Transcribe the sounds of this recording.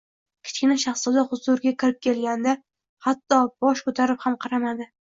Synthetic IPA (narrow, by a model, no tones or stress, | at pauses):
kʲʰɪ̥t͡ʃkʲɪnaʃɑχsʊd̪aχʊzʊɾɡʲakʲʰɪɾɪp̚kʲʰe̞lɡʲand̪a | hat̪ːɒb̥ɒʃkʰɵt̪ʰaɾɪphamqʰɑɾamad̪ɪ